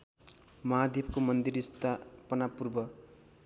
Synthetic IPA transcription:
mʌɦad̪jebkomʌnd̪iɾist̪ʰapʌnapurbʌ

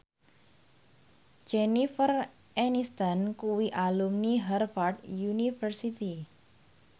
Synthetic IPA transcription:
d͡ʒɛnifər | ɛnist̪ankuwiʔalumniɦɛrfard̪junifərsit̪i

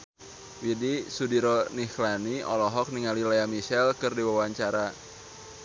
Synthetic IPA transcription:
widisudiɾɔnihlaniɔ̰lɔɦɔk̚niŋalilajamiʃɛlkɨrdiwawaɲt͡ʃaɾa

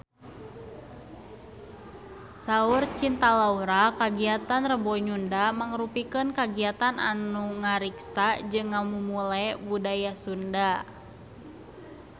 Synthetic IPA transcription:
saurt͡ʃint̪alauɾakaɡiat̪anrəbɔɲundamaŋɾupikənkaɡiat̪anʔa̰nuŋaɾiksad͡ʒɨŋːamumulɛbudajasunda

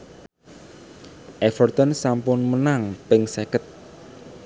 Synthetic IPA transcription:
ʔɛfərt̪ənsampʊnmənaŋpɪŋsɛkət̪̚

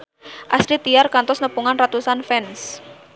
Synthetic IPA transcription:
ʔasɾit̪ijarkant̪ɔsnəpuŋanrat̪usanfɛns

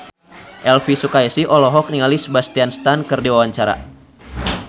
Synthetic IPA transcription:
ʔɛlfisukaisiʔɔlɔɦɔk̚niŋalisbast̪ianst̪ankɨrdiwawaɲt͡ʃaɾa̰

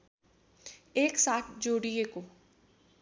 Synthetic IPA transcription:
eːksaːʈʰd͡ʒoːɽiekoː

